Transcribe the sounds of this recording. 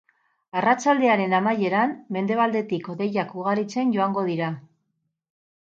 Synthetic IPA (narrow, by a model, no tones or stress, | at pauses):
arat͡ʃald̪e̞aɾe̞namaje̞ɾanme̞nd̪e̞βald̪e̞t̪iko̞ðe̞jakuɣaɾit͡se̞nɟo̞aŋɡo̞ðiɾa